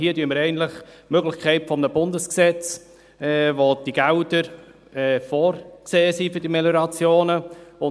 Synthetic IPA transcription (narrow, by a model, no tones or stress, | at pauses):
hiːətyəmːəɾɛɪɡən̩tlɪχmøɡlɪçkʰɛɪtfɔmənəbʊndəsksɛt͡s | ɛvod̥iɡ̥ɛʊdəɾ | ɛfɔːɾkseːəsifʏd̥imɛləɾɑt͡sjoːnəʊ